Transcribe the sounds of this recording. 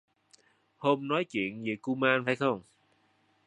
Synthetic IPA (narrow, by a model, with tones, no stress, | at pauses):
ho˧mnɔ˨˦jt͡ɕwḭ˧˨ənzḭ˨˩ku˧maː˧nfa̰ː˧˩jxə˧wŋ͡m